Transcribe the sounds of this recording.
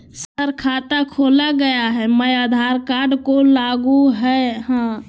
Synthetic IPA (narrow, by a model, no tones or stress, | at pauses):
səɾkʰaːt̪akʰoːlaɡəjaɦɛməjad̪ʱaɾkaɾɖkolaɡuɦɛɦã